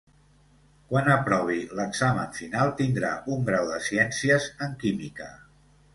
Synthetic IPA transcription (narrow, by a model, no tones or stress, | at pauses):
kwanəpɾɔβ̞iləɡzaməɱfinalˠt̪ind̪ɾa̰ʔuŋɡɾawðəsiɛnsiəzəŋkimikə